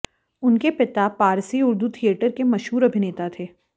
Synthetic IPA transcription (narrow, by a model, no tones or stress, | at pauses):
ʊnkepɪt̪apaːɾsiʊɾd̪ut̪ʰijeːʈəɾkemɐʃɦuːɾɐbʱɪneːt̪at̪ʰeː